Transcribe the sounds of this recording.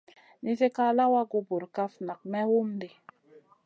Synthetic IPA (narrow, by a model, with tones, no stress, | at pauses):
ni˦ze˦ka˦la˦wa˦ɡo˨bo˨ɾka˦fna˨k̚mɛ˦wu˦mde˨